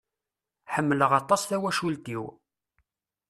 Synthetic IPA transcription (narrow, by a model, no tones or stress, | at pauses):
ħəmːələʁɑt̪ˤɑsθæwæʃult̪iw